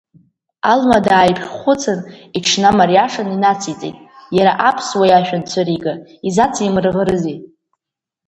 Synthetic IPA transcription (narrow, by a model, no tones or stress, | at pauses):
almadaːjpʰʼrχʷʊt͡sʰaniʈ͡ʂʰnamarjaʂaninat͡sʰit͡sʼḛjtʼjaɾaʔapʰswajaʃᶣant͡sʷʰaɾiɡaizat͡sʰimrʁəɾɨzi